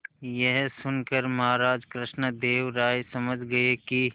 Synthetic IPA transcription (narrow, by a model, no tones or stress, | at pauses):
jɛɦsʊnkəɾmɐɦaːɾaːd͡ʒkɾɪʃnəd̪eːʋɾaːjsɐməd͡ʒʱɡɐeki